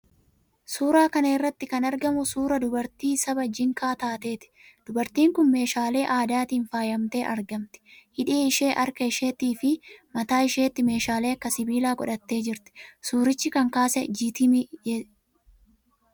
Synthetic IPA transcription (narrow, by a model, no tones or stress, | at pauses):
suːɾaːkɐnɐɪrːɐt̪ːɪkɐnɐɾɡɐmʊsuːɾɐd̪ʊbɐɾt̪iːsɐbɐd͡ʒɪŋkaːt̪aːt̪e̞ːt̪ɪ̥d̪̥ʊbɐɾt̪iːŋkʊnme̞ːʃaːle̞ːʔaːd̪aːt̪iːnfaːjɐmt̪e̞ːʔɐɾɡɐmt̪ɪ̥hɪᶑeːɪʃeːʔɐɾkɐɪʃeːt̪iːfɪmɐt̪aːɪʃe̞ːt̪ːɪme̞ːʃaːle̞ːɐkːɐsɪbiːlaːkʼɔᶑɐt̪ːe̞ːd͡ʒɪɾt̪ɪ̥suːɾɪt͡ʃːɪkɐŋkaːsɛd͡ʒit̪ɪmɪ